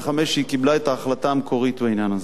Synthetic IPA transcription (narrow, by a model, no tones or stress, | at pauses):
χameʃikiblaet̪aːχlat̪aːmekʰo̞ʁit̪beinjanaz